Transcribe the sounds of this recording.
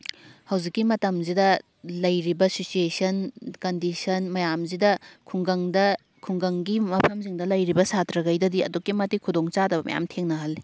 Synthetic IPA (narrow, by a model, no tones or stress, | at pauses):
hɐwzikːimɐtɐmzidɐ | lɐjɾibɐsisuesɐnkɐndisɐnmɐjamzidɐkʰuŋɡɐŋdɐ | kʰuŋɡɐŋɡimɐpʰɐmziŋdɐlɐjɾibɐsatɾɐɡɐjdɐdiɐ̰dukːimɐtːikʰudoŋt͡ʃadɐbɐmɐ̰ja̰mtʰeŋnɐɦɐlːi